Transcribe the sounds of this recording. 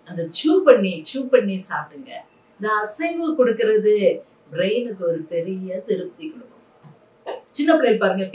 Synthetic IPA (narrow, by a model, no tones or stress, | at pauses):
ɐnd̪ɐt͡ʃuːpɐɳːit͡ʃuːpɐɳːisaːɾʈɯŋɡɐ̰ | nd̪ɐːsɐŋɡɯkɔɽɯkːɯɾɐðɯ | bɾeɪnɯkːɯɔɾɯpɛɾɪjɐt̪ɪɾɯp̚t̪ikɔɽɯkːɯm | t͡ʃɪnːɐpɾɐɪpaːɾɯŋɡɐ